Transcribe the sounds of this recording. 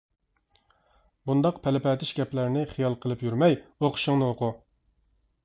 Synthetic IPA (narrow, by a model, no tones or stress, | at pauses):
bund̪ɑqpʰɛlɪpɛt̪ʰɪʃɡʲɛplæɾnɪχijɑlˠqʰəlˠɨpjyɾmɛjoqʰʊ̥ʃʊŋnɨoqʊ